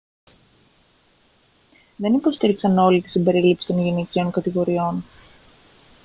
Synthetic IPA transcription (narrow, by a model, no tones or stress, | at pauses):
ðe̞nipo̞st̪iɾiksɐno̞lit̪i̥simbe̞ɾilipsi̥t̪o̞nʝiniceo̞ŋkɐt̪iɣo̞ɾio̞n